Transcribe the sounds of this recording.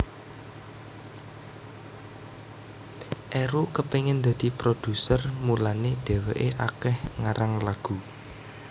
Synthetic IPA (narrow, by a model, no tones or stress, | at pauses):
ʔeɾukəpeŋɪnd̪a̤d̪̥i̤pɾod̪̥ṳsərmulaned̥ɛ̤weʔeʔakɛhŋaɾaŋlaɡ̥ṳ